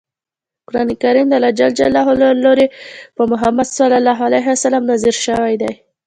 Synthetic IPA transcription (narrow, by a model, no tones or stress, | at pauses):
ʊkʊɾɑnikaɾimd̪əlad͡ʒald͡ʒa̰lɑɦolloɾepəmʊɦamad̪salːɑlɑɦalaɦɪwasalamnaziɾʃəwajd̪aj